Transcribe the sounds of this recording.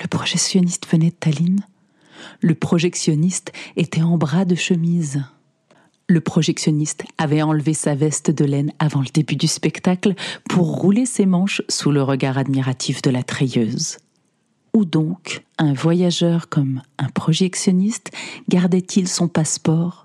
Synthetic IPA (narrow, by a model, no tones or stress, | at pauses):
ləpχɔʒɛksjɔnist̪vənɛt̪alin | ləpχɔʒɛksjɔnist̪et̪ɛɑ̃bʁad̪əʃəmiz | ləpχɔʒɛksjɔnist̪avɛɑ̃lvesavɛst̪d̪əlɛnavɑ̃ləd̪ebyd̪yspɛkt̪aklpʰuʁːulesemɑ̃ʃsuləʁəɡaʁad̪miʁat̪ʰifd̪əlat̪χɛjøːz | ud̪ɔ̃kɛ̃vwajaʒœʁkɔmɛ̃pχɔʒɛksjɔnist̪ɡaʁd̪ɛt̪ʰilsɔ̃paspɔːʁ